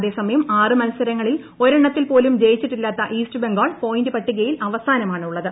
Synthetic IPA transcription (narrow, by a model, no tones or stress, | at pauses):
ɐðe̞ːsɐmɐjɐmaːrɨmɐnɐsɐɾɐŋːɐɭil | o̞ɾɐɳːɐt̪ːilpo̞ːlumd͡ʑe̞jit͡ɕːiʈːilːaːt̪ːɐʔiːstɨbeŋɡoːɭpo̞jindɨpɐʈːuɣɐjilʔɐʋɐsaːnɐmaːɳɨuɭːɐðɨ